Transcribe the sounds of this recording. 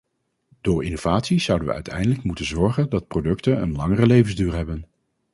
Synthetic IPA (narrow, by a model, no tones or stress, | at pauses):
d̥ʊːɹinov̥aːtsiz̥ʌwdənʋə̰œ̰ɥtʰɛ̰jndələkmutənzɔɹχəndɑt̚prowdɵktənə̰nlɑŋərəlejvənzdyːɹɦɛbən